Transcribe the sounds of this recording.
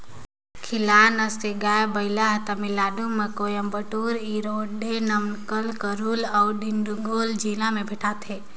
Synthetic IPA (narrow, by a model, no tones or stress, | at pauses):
kʰɪlanəseɡaebəɪlaɦt̪amilaːɖumekojəmbəʈuːɾiɾoɖenəmnkəlkəɾulaʊɖinɖuɡoːld͡ʒilamẽbʱiʈʰat̪ʰe